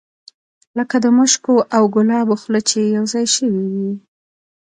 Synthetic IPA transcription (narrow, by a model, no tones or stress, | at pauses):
ləkad̪əməʃkoʔawɡʊlɑboxlət͡ʃejawzɑjʃəwiwi